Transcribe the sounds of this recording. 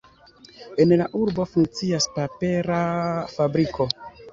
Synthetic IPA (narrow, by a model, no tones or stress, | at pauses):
e̞nlaʔuɾbo̞fuŋk̚t͡siaspape̞ɾafabɾikʰo̞